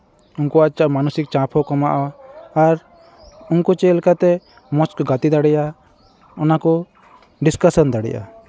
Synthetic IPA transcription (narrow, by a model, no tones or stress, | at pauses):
uŋkɔat͡ʃaʔmanusik̚t͡ʃãpʰɔkɔmaʔaː | ɾ | uŋkɔt͡ʃɛlɛkat̪ɛ | mɔt͡ʃkɔɡat̪id̪aɽɛja | ɔnakɔ | ɖiskasɔnd̪aɽɛ̰jʔa̰